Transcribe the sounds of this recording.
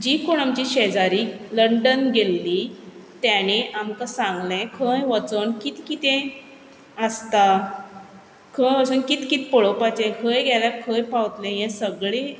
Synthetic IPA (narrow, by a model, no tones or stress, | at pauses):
d͡ʑikoɽamt͡ɕiɕed͡zaɾiləɳɖənɡʱelːit̪jañeʔamkasãŋɡlẽkʰəjʋət͡sənkit̪kit̪ẽ | əst̪a | kʰəjʋət͡sənkit̪kit̪pəɭopat͡ɕẽkʰəjɡʱɛlakʰəjpawt̪lẽjɛ̃səɡɭe